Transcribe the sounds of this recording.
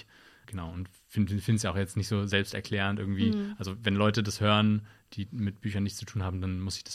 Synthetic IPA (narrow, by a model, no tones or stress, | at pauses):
ɡ̥ənaʊʊnt | fɪnfɪnsjaːaʊxjɛt͡stnɪçtz̥oːzɛlpstɛɐkʰl̥ɛːʁ̞əntʔɪɐɡŋ̩tv̥iːʔalzovɛnlɔʏtədashøːʁənd̥iːmɪt̚b̥yːçɐnːɪçt͡su̥tʰuːnɦaːbm̩danmʊsɪ̥çd̥ḁs